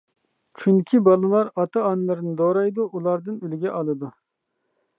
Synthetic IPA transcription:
t͡ʃʰynkʲʰibɑlˠɨlˠɑɾɑt̪ʰɑːnlˠɨɾnɨd̪oːɾɑjd̪uʔulˠɑɾd̪ɨnylɡʲɛʔɑlˠɨd̪u

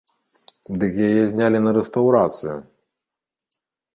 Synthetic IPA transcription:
d̪ɨkjajɛzʲnʲalʲinɐɾɛst̪ɐwɾat̪sɨjṵ

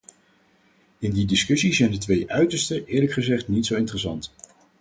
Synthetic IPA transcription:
ɪndidɪskɵsizɛjndətʋejʔœɥtəɹstəʔɪːɹləkχəzɛχtnitsowɪntərəsɑnt

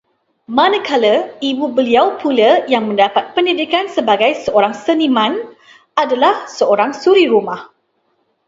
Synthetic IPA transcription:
mãnəkʰaləibubəliawpʰuləjaŋmə̃ndapat̪̚pəndidikansəbaɡajsəoɾaŋsənimãn | ʔadalahsəoɾaŋsuɾiɾumah

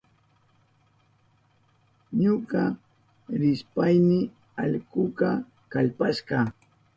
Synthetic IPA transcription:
ɲʊɢɑ | ɾɪspajmɪ | aʎkʊkɑ | kaʎpaʃɢɑ

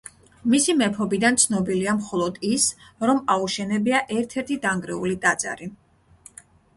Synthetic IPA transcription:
misimɛpʰɔbid̪ant̪sʰnɔbiliamχɔlˠɔd̪isɾɔmauʃɛnɛbiaʔɛɾt̪ʰɛɾt̪ʰid̪aŋɡɾɛulid̪ʼat̪zʼa̰ɾi

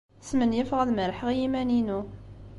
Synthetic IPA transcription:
smənjəfʁæðməɾħəʁjimæninu

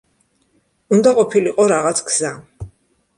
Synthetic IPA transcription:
und̪aqʼɔpʰiliqʼɔɾaʁat̪sʰkʰz̥a

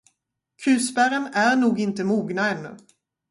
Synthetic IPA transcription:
kʰʉ̟ːsbæɾənæɾɳuːɡɪnt̪əmuːɡnaɛnːɵ̰

